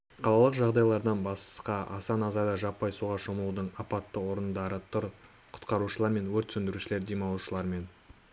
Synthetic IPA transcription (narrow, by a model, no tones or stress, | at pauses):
qʰɑlˠɑlˠəqʒɑʁd̪ɑjlˠɑɾd̪ɑnbɑssqɑʔɑ̰sɑnɑzɑɾd̪ɑʒɑpːɑjsuʁɑʃoməlˠud̪əɴɑpɑt̪ːəwo̞ɾənd̪ɑɾət̪ʰʊɾ | qʰʊ̥t̪qɑɾuʃəlˠɑɾme̞nwɵɾt̪sɵnd̪ɪɾuʃɪle̞ɾd̪emɑlˠʃəlˠɑɾme̞n